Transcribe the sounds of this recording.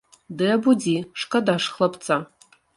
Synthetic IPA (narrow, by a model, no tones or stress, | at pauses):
dɨjabudiːʂkʰʼɐdaːʂχlɐpʰt͡sʰʼa